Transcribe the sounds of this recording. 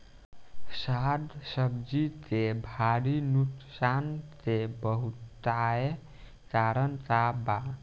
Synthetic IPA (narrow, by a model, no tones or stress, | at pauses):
sad̪səbd͡ʒit̪ebʱaɾinuksant̪ebəɦut̪ae | kaɾənt̪aba